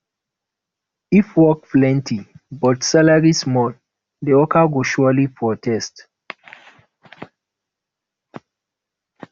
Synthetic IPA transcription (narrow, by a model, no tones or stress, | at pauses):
ifwɔkflɛ̃ntʰibɔtsalaɹismɔl | deɔkaɡoʃualipɹɔtʰɛst